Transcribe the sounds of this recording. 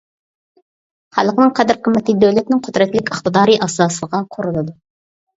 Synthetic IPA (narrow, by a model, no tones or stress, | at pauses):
χɑlˠqənɨŋqʰæd̪ɪɾkʲʰymːɛt̪ʰid̪øwlɛt̪nɪŋqʰʊd̪ɾɛt̪lɪkʲəχt̪ɨd̪ɑːɾiʔɑsɑsəʁɑqʰoɾulˠɨd̪ʊ